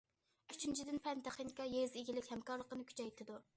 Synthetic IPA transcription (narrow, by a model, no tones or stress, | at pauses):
yt͡ʃʰynt͡ʃʰid̪ɪnpʰɛnt̪ʰæχinkʲɑjezeɡʲilɪkʲhɛmkɑɾlˠəqənɨkʲʰy̥t͡ʃʰɛjt̪ʰɪd̪u